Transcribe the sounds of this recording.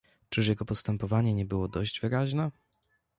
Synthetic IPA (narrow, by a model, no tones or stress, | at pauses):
t͡ʂɘʂjɛɡɔpɔst̪ɛmpɔvaɲɛɲɛbɘwɔd̪ɔʑd͡ʑvɘɾaʑnɛ